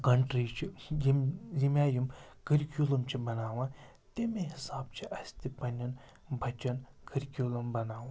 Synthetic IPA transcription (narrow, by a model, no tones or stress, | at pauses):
kɐɳʈɾit͡ʃʰimzimʲaːjimkɨɾkʲulɐmt͡ʃʰibɐnaːʋãː | t̪emẽɦɪsaːbt͡ʃʰiʔɐsʲt̪ipɐnɐn | bʱɐt͡ʃɐn | kəɾkʲjuːlɐmbɐnaːʋã